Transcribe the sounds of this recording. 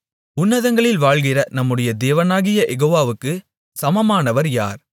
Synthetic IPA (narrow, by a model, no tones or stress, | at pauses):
ʊnːɐðɐŋɡɐɭɪlʋaːɭɣɪrɐnɐmːɯɽɐjɐd̪eːʋɐnaːɣɪjɐʔɛɣoːʋaːʋɯkːɯ | sɐmɐmaːnɐʋɐɾja̰ːɾ